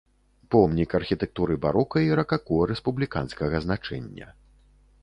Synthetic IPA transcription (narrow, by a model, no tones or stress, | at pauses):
pɔmnʲikɐrxʲit̪ɛk̚t̪uɾɨbaɾɔkɐiɾɐkakuɐɾɛspublʲika̰nskɐɣɐznat͡ʂɛ̰nʲːɐ̰